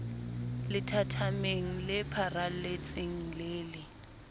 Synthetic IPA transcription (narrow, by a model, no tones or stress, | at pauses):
lɪtʰatʰameŋ̩lɪpʰaralɪt͡sʼɪŋ̩leːlɪ